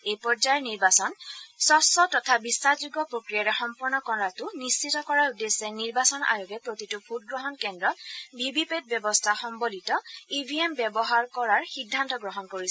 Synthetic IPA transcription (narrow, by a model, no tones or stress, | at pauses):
ejpɔɹd͡ʒajɛɹniɹbasɔnsɔsɔtɔtʰabisazuɡɔpɹokɹijaɹɛxɔmpɔɹnɔkɔatʊnist͡ʃʰitɔkɔɹaɹudesɛniɹbasɔna̰juɡɛpɹotitʊbʰut̚ɡɹɔɦɔnkɛndɹɔtbʱibipet̚bjɛbɔstʰaxɔmbolitɔibʱiembjɛbɔɦaɹkɔɹaɹxidʱːantɔɡɹɔɦɔnkoɹisɛ